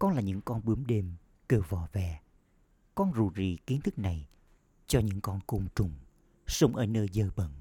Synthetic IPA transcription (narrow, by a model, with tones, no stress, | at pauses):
kɔ˧nlaː˨˩ɲɨ̰˧˥ŋkɔ˧nɓɨ˨˦əmɗe˧m | ke˨˩wvɔ˧˩vɛ˨˩ | kɔ˧nzu˨˩zḭ˨˩ki˨˦ənt̪ʰɨ˦˥k̚na˨˩j | t͡ɕɔ˧ɲɨ̰˧˥ŋkɔ˧nko˧ŋ͡mt͡ɕʊ˨˩ŋ͡m | sə˧wŋ͡mʔəː˨˦nəː˧jzəː˧ɓə̰˧˨n